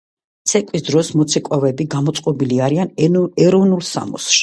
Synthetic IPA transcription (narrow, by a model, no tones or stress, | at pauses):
t̪sʰɛkʼwisd̪ɾɔsmɔt̪sʰɛkʼwavɛbiɡamɔt̪sʼqʼɔbiliaɾianɛɾɔvnulˠsa̰mɔ̰sʃ